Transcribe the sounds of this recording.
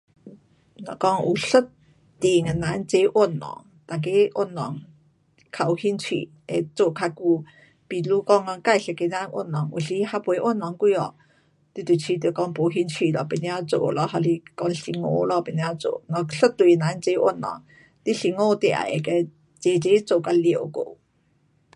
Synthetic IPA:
ŋɔ̰˨kɔ˦ŋṵ˨ɬə˦t | t̪i˨ŋe˨nã˨˦nt͡se˦ʔwo˥˨nlɔ̰˨˦ŋ | t̪a˨k̬e˦ʔo˥˩˨nlɔ̰˨˦ŋ | kʰa˧˩u˨hi˧˦nt͡sʰwḭ˧˨ | e˧t͡so˨kʰa˧ku˧ | pi˨˩lu˦kɔ˧˦ŋa˧ka˥˧˨jɬə˧ke˧nã˧˦nʔo̰˥˩˨nlɔ˨˦ŋʔṵ˨˩ɬi˧ha˧pwe˨˧˦ʔo˥˨nlɔ˨˦ŋkwi˧ɔ̰˨ | t̪i˧˦t̪u˨t͡ɕʰi˧˦t̪o˨˩kɔ˧˩ŋpo˨˦ɦi˧˥nt͡sʰwi˧˨lɔ˧˩pe˨˧˩njã˦t͡so̰˨lɔ˧˦ɦa˧li˧kɔ˧ŋɬi˧ŋo̰˧˦lɔ˧˨pe˨nja˧t͡so̰˨ŋɔ˧ɬə˦t̪wu˨˧˨na˨˦nt͡se˧˦ʔwo̰˥˨nːɔ̰˨˩ŋ | t̪i˦ɬi˧˨ŋo˥˧t̪ja̰˨˩˨ḛ˨ke˧ | t͡se˧t͡se˦t͡so˨ka˧li˨ko̰˧˨

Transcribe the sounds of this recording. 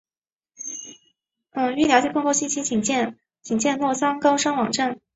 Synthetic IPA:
ə˧˩y˥˩njɑ˧˥t͡ɕi˥˩pʰɤ˥˧ŋkʰo˥˧ʊɕi˥˩t͡ɕʰi˥t͡ɕi˨˩ŋt͡ɕjɛ˥˧n | t͡ɕi˨˩ŋt͡ɕjɛ˥˧nlwɔ˥˩t͡sʰɑ˥ŋkɑ˥ʊʂɑ˥ŋwɑ˨˩ŋʈ͡ʂa˥˩n

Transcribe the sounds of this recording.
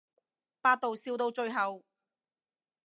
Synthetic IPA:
paː˧t̚t̪o˨wsiː˧wt̪o˧wt͡ʃɵ˧ɥɦɐ˨w

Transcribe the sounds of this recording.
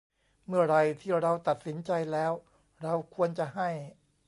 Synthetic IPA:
mɯ˥˩ɐɾa˧jt̪ʰiː˥˩ɾa˧wt̪a˨˩t̪̚si˩˦nt͡ɕa˧jlɛː˦˥w | ɾa˧wkʰu˧ənt͡ɕa˨˩ɦa˥˩j

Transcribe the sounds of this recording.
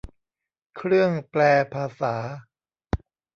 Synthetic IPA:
kʰɾɯ˥˩əŋplɛː˧pʰaː˧saː˩˦

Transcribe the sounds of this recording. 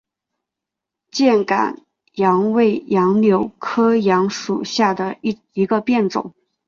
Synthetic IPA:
t͡ɕjɛ˥˩nka̰˨˩˦n | jɑ˧˥ŋwe˥˩ɪjɑ˧˥ŋljo˧˥ʊkʰɤ˥jɑ˧˥ŋʂu˨˩ɕja˥˩d̪ə˩˥ | i˧˥ɡə˧pjɛ˥˩nt͡sʊ̰˨˩˦ŋ

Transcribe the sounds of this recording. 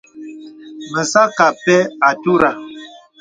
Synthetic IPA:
mə˨sa˦ka˨pɛ˦a˨tu˦ɾa˨

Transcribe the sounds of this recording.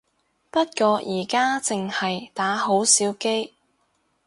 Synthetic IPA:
pɐ˥t̚kɔː˧jʔiː˨˩kaː˥t͡sɪ˨ŋhɐ˨jt̪aː˨˥ɦo˨˥wsiː˨˥wke˥j

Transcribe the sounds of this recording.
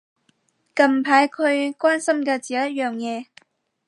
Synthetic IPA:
kɐ˨˩mpʰaː˨˥jkʰɵ˨˧ɥkwaː˥nsɐ˥mkɛː˧t͡siː˨˩jɐ˥t̚jœː˨ŋjɛː˨˧

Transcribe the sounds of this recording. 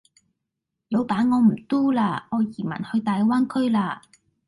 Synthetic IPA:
lo˨˧wpaː˨˥nŋɔː˨˧m̩˨˩t̪uː˥laː˧ŋɔː˨˧jiː˨˩mɐ̰˨˩nhɵ˧ɥt̪aː˨jwaː˥nkʰɵ˥ɥlaː˧

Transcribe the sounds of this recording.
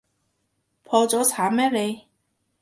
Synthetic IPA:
pʰɔː˧t͡sɔː˨˥t͡sʰaː˨˥mɛː˥le˨˧

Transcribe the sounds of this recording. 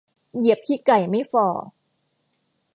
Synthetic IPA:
ji˨˩˦əp̚kʰiː˥˩ka˨˩jma˥˩jfɔː˨˩

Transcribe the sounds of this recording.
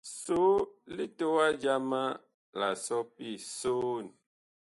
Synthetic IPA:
so˦li˦to˦wa˦d͡ʒa˦mã˦ | la˨sɔ˦pi˦so˦n˨

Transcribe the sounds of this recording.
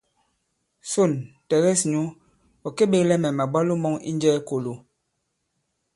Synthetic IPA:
so˦˨ntɛ˨ɣɛ˦sɲu˦ | ɔ˨ke˦ɓe˦klɛ˦mɛ˨ma˨ɓa˦lu˦mɔ˦ŋḭ˦nd͡ʒɛː˦ko˨lo˨

